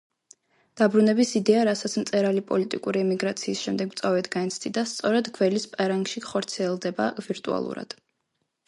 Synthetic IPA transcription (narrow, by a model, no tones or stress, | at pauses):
d̪̥abɾunɛbisid̪ɛaɾasat̪sʰmt̪sʼɛɾalipʼɔlit̪ʼḭkʼuɾiɛmiɡɾat̪sʰiːsʃɛmd̪ɛɡmt̪sʼavɛt̪ʰɡaɛnt̪sʰtd̪ʼid̪ast̪sʼɔɾɛd̪ɡvɛlispʼɛɾaŋɡʃiχɔɾt̪sʰiɛlˠd̪ɛbaviɾt̪ʼṵa̰lˠṵɾa̰d̪̥